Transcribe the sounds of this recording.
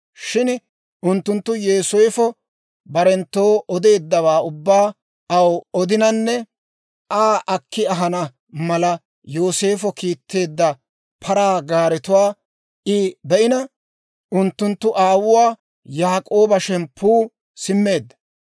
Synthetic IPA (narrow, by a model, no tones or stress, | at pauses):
ʃɪn | ʔʊnt̪ːʊnt̪ːʊjeːsɔjfɔ | bɐɾɛnt̪ːo̞ːʔɔd̪e̞ːd̪ːɐβaːʊbːaː | ɐwɔd̪ɪnɐnːɛ | ʔaːʔɐkːɪɐɦɐnɐ | mɐlɐ | joːse̞ːfɔkiːt̪ːe̞ːd̪ːɐ | pʰɐɾaːɡaːɾɛt̪ʊwaː | ʔɪbɛʔɪnɐ | ʔʊnt̪ːʊnt̪ːʊʔaːwʊwaː | jaːkʼo̞ːbɐʃɛnpʰuː | sɪmːe̞ːd̪ːɐ̥